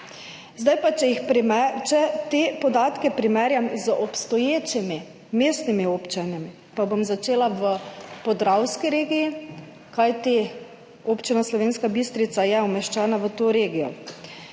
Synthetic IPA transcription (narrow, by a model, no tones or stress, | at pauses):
zd̪ajpat͡ʃɛjixt͡ʃɛt̪epɔd̪aːt̪kɛpɾimɛɾjamzəʔɔpst̪ɔjeːt͡ʃimi | meːst̪nimioːpt͡ʃanjami | pabomzat͡ʃeːlaʋəpɔd̪ɾawskiɾeːɡiji | kajt̪i | oːpt͡ʃinaslɔʋeːnskabist̪ɾit̪sajɛɔmɛʃt͡ʃaːnaʋət̪oːɾeːɡijɔ̰